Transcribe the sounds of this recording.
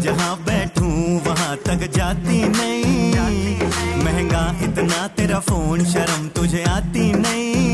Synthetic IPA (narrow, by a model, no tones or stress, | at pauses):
d͡ʒɐɦãːbɛːʈʰũːʋɐɦãt̪ɐkd͡ʒaːt̪inɐɦĩː | mɛ̃ɦɛ̃ŋɡaːɦɪt̪naːt̪eːɾaːpʰoːnʃɐɾəmt̪ʊd͡ʒʱeaːt̪inɐɦĩ